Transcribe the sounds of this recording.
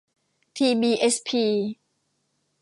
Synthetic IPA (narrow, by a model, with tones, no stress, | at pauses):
t̪ʰiː˧biː˧˩ʔe˦˥spʰiː˧